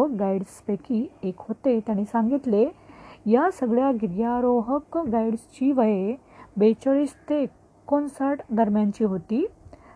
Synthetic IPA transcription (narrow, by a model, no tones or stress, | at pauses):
əkɡaiɽspekiːekɦot̪et̪jaɽ̃iːsãŋɡit̪lejasəɡɭjaɡiɾɡjaɾoɦəkɡaiɽst͡ɕiːʋəje | bet͡ɕəɭist̪ekː | ɔnsəɾʈd̪əɾmjãɲt͡ɕiːɦot̪iː